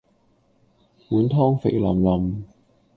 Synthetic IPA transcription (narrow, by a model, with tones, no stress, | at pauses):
puː˨˥nt̪ʰɔː˥ŋfḛ˨˩jlɐ̰˨˩mlɐ˨˩m